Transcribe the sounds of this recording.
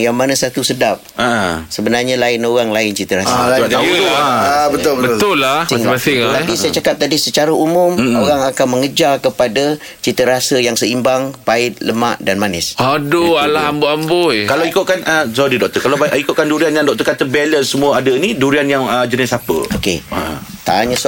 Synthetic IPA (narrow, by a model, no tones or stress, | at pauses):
jaŋmanasat̪usədap̚aʔsəbənarɲalaɪnoɾaŋlaɪnt͡ʃit̪əɾasa̰aaaabət̪ʊlbəbəʊlːasŋɡaɪat̪apisajat͡ʃakap̚t̪adisət͡ʃaɾaumʊmoɾaŋakanməŋəd͡ʒakəpada | t͡ʃit̪əɾasəjaŋsəimbaŋpaɪt̪̚ləma̰ʔdanmanɪsʔadoalaɦamboambojkalawikʊʔ̚kanəsɔɾidɔʔ̚t̪əkalabikʊt̪ʔ̚kanduɾianjaŋdɔk̚t̪ərkat̪əbɛlənsːəmuəadəiniduɾianjaŋəd͡ʒənɪsapə̰oket̪a̰aɲas